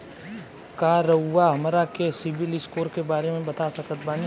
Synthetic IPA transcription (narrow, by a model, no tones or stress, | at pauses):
kaːɾɐɦʊwaɦɐmɾakesɪbɪlɪskoːɾkebaːɾemẽbɐt̪asɐkət̪baːni